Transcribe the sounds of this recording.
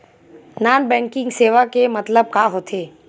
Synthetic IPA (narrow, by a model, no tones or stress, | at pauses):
naːnbɛ̃ːŋkɪ̃ŋɡseːʋakemɐt̪ləb̚kaːɦoːt̪ʰeː